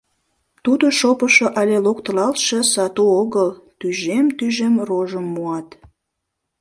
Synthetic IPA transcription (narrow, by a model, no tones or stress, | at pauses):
t̪ud̪oʃopəʃoʔɑlʲelokt̪əlɑlt̪ʃesɑt̪uoɣəlt̪yʒemt̪yʒemroʒəmːuɑt̪